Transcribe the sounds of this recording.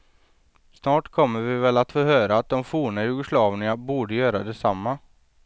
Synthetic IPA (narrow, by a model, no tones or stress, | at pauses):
snɑːʈkʰɔmːəɾvɪvɛlat̪foːhøːɾaːt̪̚d̪ɔmfuːɳajʉːɡəslɑːvnɪabuːɖəjœːɾad̪ɛsamːa